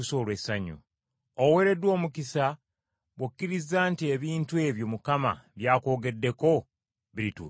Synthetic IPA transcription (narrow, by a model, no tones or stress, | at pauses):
uso̞ːlwesaɲṵ | owe̞ːɾe̞dwo̞ːmukisa | βwokːiɾizaːntie̞βiːntue̞ːβjo̞mukama̰βjaːko̞ːɡe̞dːe̞ko̞ | βiɾitṵː